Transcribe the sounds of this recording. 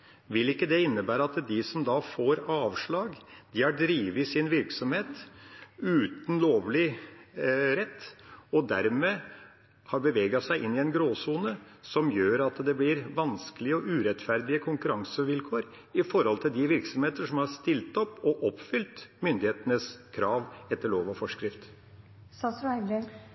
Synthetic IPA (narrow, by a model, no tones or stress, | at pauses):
ʋɪlɪkːəd̪ɛɪnːəbæːɾəɑt̪d̪ɪsɔmd̪ɑːfoːɾɑːʋʂɭɑːɡd̪ɪhɑɖɾiːʋəɪsɪnʋɪɾksɔmheːt̪ | ʉːt̪n̩loːʋlɪ | ɾɛt̪ːɔd̪æɾmeː | hɑɾbəʋeːɡɑsæɪʔɪnːɪɛnɡɾoːsuːnəsɔmjøːɾɑt̪d̪ɛblɪɾʋɑnskəlɪəɔʔʉːɾɛt̪fæɾd̪ɪəkʰʊŋkʉɾɑŋsəʋɪlkʰoːɾ | ɪfɔɾhɔlt̪ʰɪld̪ɪʋɪɾksɔmheːt̪əʂɔmhɑʂt̪ɪlt̪ɔpːɔʔɔpːfʏlt̪mʏnd̪ɪheːt̪ənəskʰɾɑːʋɛt̪ːəɭoːʋɔfɔʂkɾɪft̪ | sɑsɾæɪbɾe